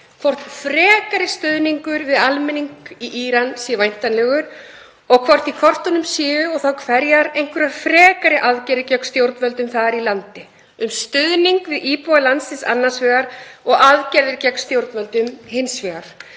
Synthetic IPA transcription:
kʰvowr̥t̪fɾɛːkaɾɪst̪ʏðniŋkʏɾvɪðalmɛniŋkiʔiːɾansjvajn̥t̪anlɛɣʏɾ | ɔɣkʰvɔr̥t̪ikʰvɔr̥t̪ɔnʏmsɪːðʏɔɣθawkʰvɛɾjaɾejŋ̥kʰvɛɾafɾɛːkaɾɪʔaðcɛɾðɪcœkst̪jowɾt̪nvɛlt̪ʏmθaðaɾilant̪ɪ | ʏmst̪ʏðniŋkvɪðiːpɔalansɪnsa̰nːasvɛːɣaɾɔɣaðcɛɾðɪɾcɛkst̪jowɾt̪nvɛlt̪ʏmhɪnsvɛːɣaɾ̥

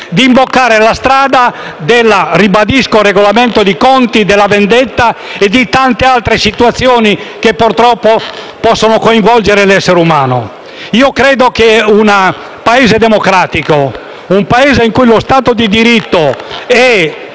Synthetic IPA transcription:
d̪iːmbokːaːɾelast̪ɾaːd̪a | d̪elːaribad̪iskoreɡolament̪od̪ikɔnt̪id̪elːavend̪et̪ːaed̪it̪ant̪ealt̪ɾesit̪uat̪sːjoːnikepːoɾt̪ɾɔpːo | pɔsːonokoĩɱvɔld͡ʒeɾelɛsːeɾumaːno̰ | iːokɾɛːd̪okeuna | paeːzed̪emokɾaːt̪iko | umpaeːzeiŋkujlost̪aːt̪od̪id̪iɾit̪ːoɛ

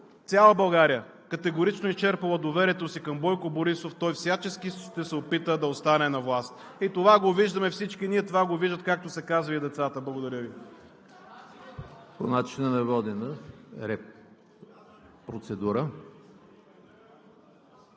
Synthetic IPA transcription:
t̪sʲalˠəbɐlˠɡaɾijə | kət̪ɛɡoɾit͡ʃnoist͡ʃɛɾpɐlˠəd̪ovɛɾiɛt̪osikɐmbɔjkoboɾisoft̪ɔjfsʲjat͡ʃɛskiʃt̪ɛsɛopit̪əd̪ɐot̪st̪anɛnɐvlˠast̪ | it̪ovaɡoviʒd̪əmɛfsit͡ʃkiniɛt̪ovaɡoviʒd̪ət̪̚kak̚t̪osɛkazvɐid̪ɛt̪sat̪əblˠɐɡʊd̪ɐɾʲjəvi | po̰nat͡ʃinɐnɐvɔd̪inəɾɛp | pɾot̪sɛd̪uɾə

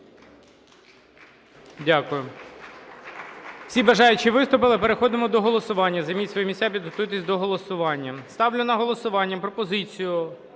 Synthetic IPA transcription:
dʲakʊjʊ | w̥sʲibɐʒɑjʊt͡ʃiʋɪst̪ʊpɪlˠɪpeɾexɔd̪ɪmɔd̪ɔɦɔlˠɔsʊʋɑnʲːɐzɐjmitʲsʋɔjimʲisʲtʲapʲid̪ɦɔt̪ujt̪̬ɪsʲd̪ɔɦɔlˠɔsʊʋɑnʲːɐst̪ɑwlʲʊnɐɦɔlˠɔsʊʋɑnʲːɐpɾɔpɔzɪt͡sʲijʊ

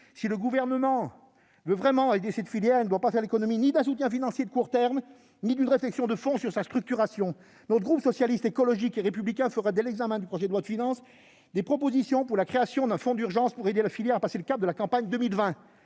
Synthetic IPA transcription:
siləɡuvɛʁnəmɑ̃ | vøvʁɛmɑ̃ed̪esɛt̪filjɛʁeind̪wapafɛʁlekɔnɔminid̪ɛ̃sut̪jɛ̃finɑ̃sjed̪əkuʁt̪ɛʁm | nid̪ynʁeflɛksjɔ̃d̪əfɔ̃syʁsast̪χyk̚t̪yʁasjɔ̃ | nɔt̪əɡʁupsɔsjalist̪ekɔlɔʒikeʁepyblikʲɛ̃fəʁad̪elɛɡzamɛ̃d̪ypχɔʒɛd̪lwad̪əfinɑ̃s | d̪epχɔpozisjɔ̃puʁlakχeasjɔ̃d̪ɛ̃fɔ̃d̪yʁʒɑ̃spuʁed̪elafiljɛʁapaseləkap̚d̪əlakɑ̃paɲd̪əmilvɛ̃

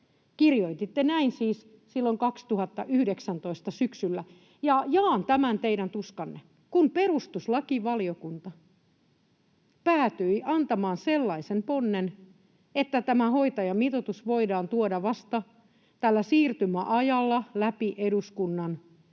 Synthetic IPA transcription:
kirjoit̪it̪ːenæinsiːs | silːoŋkɑkst̪uhɑt̪ːɑ̰ʔyhdeksænt̪oist̪ɑsyksylːæ | jɑjɑːnt̪æmænt̪eidænt̪uskɑnːe | kumperust̪uslɑkiʋɑliokunt̪ɑ | pæːt̪yiʔɑnt̪ɑmɑːnselːɑisemponːen | et̪ːæt̪æmæhoit̪ɑjɑmit̪ot̪usʋoidɑːnt̪uodɑʋɑst̪ɑ | t̪ælːæsiːrt̪ymæʔɑjɑlːɑlæpiʔeduskunːɑn

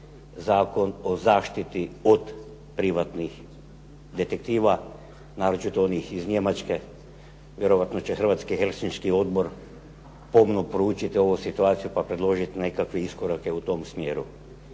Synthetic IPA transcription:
zaːko̞no̞zaːʃt̪it̪iod̪ | pɾiʋat̪nix | d̪e̞t̪ek̚t̪iːʋa | naːɾot͡ʃit̪oonixizɲe̞mat͡ʃke | ʋje̞ɾoʋat̪no̞t͡ɕexr̩ʋaːt̪skixelsinskio̞d̪bo̞ɾ | po̞mnopɾout͡ʃit̪io̞ʋusit̪uaːt̪sijupapɾe̞d̪lˠo̞ʒit̪ine̞kakʋeiskoɾake̞ut̪o̞msmjeːɾṵ

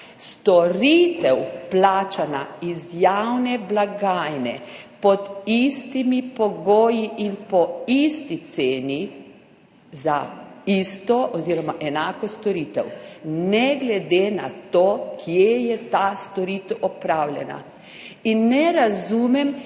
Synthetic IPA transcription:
st̪ɔɾiːt̪ɛwplaːt͡ʃanaizjawnɛblaɡaːjnɛ̰pɔd̪ist̪imipɔɡoːjiʔinpɔist̪it̪seːni | zaist̪ɔʔɔziːɾɔmaʔɛnaːkɔst̪ɔɾiːt̪ɛwnɛɡlɛd̪ena̰t̪oːkʰjejɛt̪ast̪ɔɾiːt̪ɛwʔɔpɾaːwljɛ̰na̰ | inːɛɾazuːmɛm

